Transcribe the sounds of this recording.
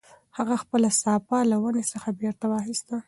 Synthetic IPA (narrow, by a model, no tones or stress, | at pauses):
haɣaxpəlasɑpalawanesəxabeɾt̪awɑxist̪a